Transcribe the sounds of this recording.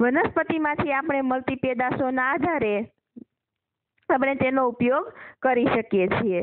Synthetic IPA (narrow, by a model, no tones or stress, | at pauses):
ʋənəspət̪imãt̪ʰiapɳ̃eməlt̪iped̪asonaːd̪ʱaɾe | apɳet̪enoupjoɡkəɾiʃəkjet͡ʃʰie